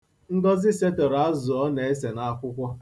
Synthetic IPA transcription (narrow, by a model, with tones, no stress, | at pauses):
ŋ̩˦ɡɔ˦zɪ˦se˦te˨ɾa˦zʊ˨ɔ˦ne˨e˦s̬e˨na˦kʷʊ˦kʷɔ˦